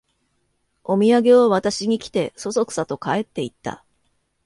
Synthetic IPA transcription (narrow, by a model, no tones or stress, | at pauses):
o̞mʲiaɡe̞oβat̪aɕiɲ̟ikʲi̥t̪e̞so̞so̞kɯ̥sat̪o̞kae̞t̪ːe̞it̪ːa̰